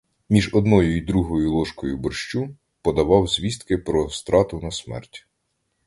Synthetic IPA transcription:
mʲiʒɔd̪nɔjʊjd̪ɾuɦɔjʊlˠɔʃkɔjʊbɔrʃt͡ʃu | pɔd̪ɐʋɑwzʲʋʲist̪kɪpɾɔst̪ɾɑt̪ʊnɐsmɛ̰rtʲ

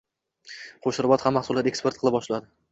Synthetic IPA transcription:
qʰoʃɪɾbɒt̪hamːaχsulˠat̪e̞kspe̞ɾt̪̚qɨlɪp̚bɒʃlad̪ɪ

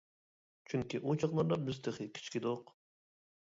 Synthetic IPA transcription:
t͡ʃʰyŋkʲiʔot͡ʃʰɑχlˠɑɾd̪ɑmyzt̪ʰɪχɪkʲʰi̥t͡ʃkʲid̪oq

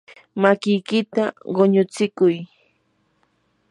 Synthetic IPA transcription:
makɪjkɪt̪aɢoɲʊt͡sɪkʊj

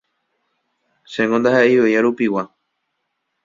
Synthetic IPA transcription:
ʃẽŋõnd̪ahaʔeejaɾupiwa

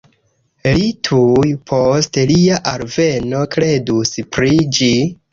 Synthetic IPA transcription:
litʰujpʰostliaʔaɾve̞no̞kɾe̞duspɾid͡ʒi

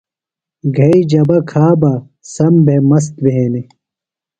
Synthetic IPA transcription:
ɡʱɐid͡ʑɐbɐkʰaːba | sɐmbʱemɐs̬t̪beɦeːni

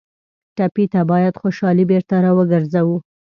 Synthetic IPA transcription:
ʈapit̪abɑjad̪xoʃɑlibeɾt̪aɾɑwəɡəɾzawu

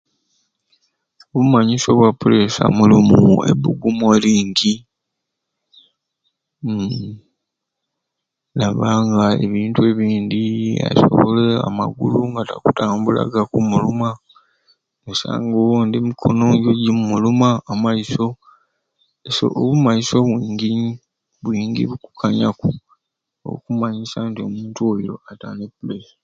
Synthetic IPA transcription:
oβumaɲiso̞βwapulesa̰mulimuḛbuɡumoliːɲɡi | laβaːŋɡaḛβiːntue̞βiːnd̪ia̰so̞̰βole̞a̰ma̰ɡuluŋɡatakutaːmbula̰ɡakumuluma | nusa̰ːŋɡowondimikʰo̞̰noɟoɟimumulumaːmaiso̞ | eso̰ʔoβumaiso̞βwiːŋɡi | βwiːŋɡḭβuku̥kʰaɲaku | o̰βṵkumaɲisantio̞muːntuoiɾo̞̰ata̰nepulesi̥

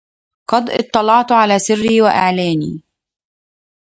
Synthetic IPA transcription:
qɑd̪ˤʔɪt̪ˤːɑlɑʕt̪ʕalæːsɪrːiiːwaʔa̰ʕlæːnḭː

